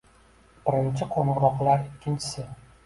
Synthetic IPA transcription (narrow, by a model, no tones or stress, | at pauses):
b̥ɪɾɪnt͡ʃʰɪqʰonɨɾɒqlˠaɾɪkʲːɪnt͡ʃʰɪ̥sɪ